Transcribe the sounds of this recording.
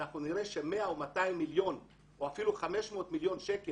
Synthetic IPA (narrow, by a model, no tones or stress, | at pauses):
aχnuniʁe̞ʃeme̞aomataimːiljo̞n | ʔo̞afiluχame̞ʃmo̞ːtmiljo̞nʃe̞ke